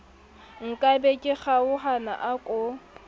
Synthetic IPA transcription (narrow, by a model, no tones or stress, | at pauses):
ŋ̩kʼabekʼɪχaʊɦana̰ʔakʼʊ